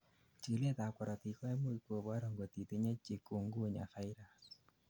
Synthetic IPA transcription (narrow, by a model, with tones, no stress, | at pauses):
t͡ʃi˨le˦ta˨kʷɔ˨ɾɔ˨ti˨kɔ˦ɛ˦mo˦i˦ko˨ba˦ɾo˨ŋɡo˨t̪i˨t̪i˦ɲe˦t͡ʃi˨ku˨ŋɡu˦˨ɲa̰˨fa˦i˦ɾa˨